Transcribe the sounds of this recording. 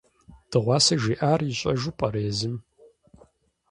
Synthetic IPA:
d̥ɨʁʷɑːsɐʒiːʔaːrɪɕʼɐʒupʼɐɾeːzɨm

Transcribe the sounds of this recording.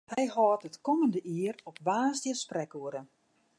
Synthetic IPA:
hɛjhɔːtətkɔməndəʔiərɔpʋaːzdjəsprɛkuəɾən

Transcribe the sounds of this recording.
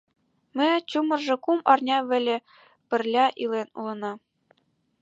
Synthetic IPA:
mʲɘ̆t͡ɕumɤ̆rʐɤ̆kumɑrnʲɑʋʲɘ̆lʲɘ̆ | pʲɘ̆rʲlʲɑʔilˠenṵlˠɤ̆nɑ

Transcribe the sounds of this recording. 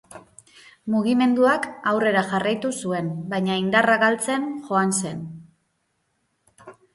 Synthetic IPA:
muɣime̞nd̪uakawre̞ɾaʝarajt̪usue̞mbajɲaind̪araɣalt͡se̞nxo̞anse̞n

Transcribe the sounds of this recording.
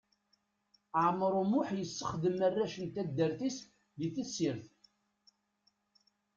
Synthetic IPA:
ʕmːɾˤumʊħjəsːəχðəmærːæʃənt̪æd̪ːəɾθis | ðiθəsːiɾθ

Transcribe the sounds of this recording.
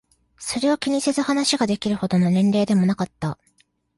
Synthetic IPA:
so̞ɾe̞o̞kʲiɲ̟ise̞zɨhanaɕiɡad̪e̞kʲiɾɯ̟ho̞d̪o̞no̞nẽ̞nɾe̞ːd̪e̞mo̞nakat̪ːa

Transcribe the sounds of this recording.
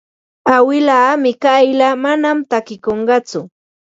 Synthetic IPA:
awɪlaːmɪkajlamanamt̪akɪkoɴɢɑt͡sʊ

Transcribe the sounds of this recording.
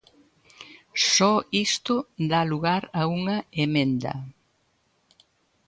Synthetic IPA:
sɔist̪ʊd̪aluɣaɾɐuŋɐemẽnd̪ɐ̰

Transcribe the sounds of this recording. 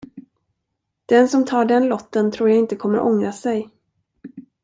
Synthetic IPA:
d̪̥ɛnsɔmt̪ʰɑːɖɛnlɔt̪ːənt̪ʰɾuːɾjaɪnt̪əkʰɔmːəɾʔɔŋɾasɛj

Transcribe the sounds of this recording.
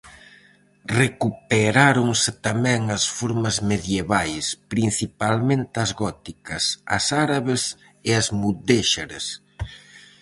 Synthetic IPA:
rekupeɾaɾoŋsɪt̪amɛ̃ŋɐsfoɾmɐzmeðjeβajspɾin̟θipalmẽnt̪ɪɐzɣɔt̪ikɐsɐ̰saɾaβes | ɪazmud̪eʃaɾes

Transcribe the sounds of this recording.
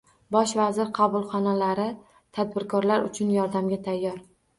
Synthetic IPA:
bɒʃvazɪɾqʰɑbʊlˠχɒnalaɾɪ | t̪ʰad̪bɪɾkʰɒɾlaɾʊ̰t͡ʃʰʊnjɒɾd̪amɡʲat̪ʰajːɒɾ

